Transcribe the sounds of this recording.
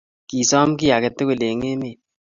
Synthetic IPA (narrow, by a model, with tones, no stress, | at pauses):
ki˨sɔ˦m˦ki˦ja˨ke˨tːe˦ku˨le˨ŋe˦me˨